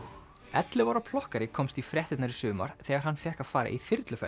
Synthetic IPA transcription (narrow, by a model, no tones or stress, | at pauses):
ɛt̪lɪvɔɾapʰlɔhkaɾɪkʰɔmst̪ifɾjɛht̪ɪt̪naɾisʏːma̰ɾ̥θɛːɣaɾ̥hanːfjɛhkḁfaːɾa̰ʔiθɪɾt̪lʏfɛ̰